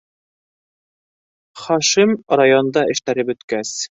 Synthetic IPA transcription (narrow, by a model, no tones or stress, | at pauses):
χɒʃimrajond̪ɑɘ̆ʃt̪æɾɘpɵ̆t̪kæs